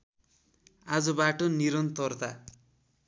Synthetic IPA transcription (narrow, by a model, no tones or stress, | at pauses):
ad͡zʌbaʈoniɾʌnt̪ʌrd̪a